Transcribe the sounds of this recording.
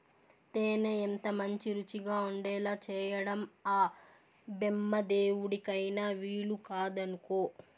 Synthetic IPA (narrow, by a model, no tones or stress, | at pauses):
t̪eːneent̪ɐmɐɲt͡ʃiɾut͡ʃiɡaːuɳɖɛːlaːt͡ʃɛːjɐɽɐmaː | bemːɐd̪eːwuɽikɐjnaːʋiːɭukaːd̪ɐnuko̞ː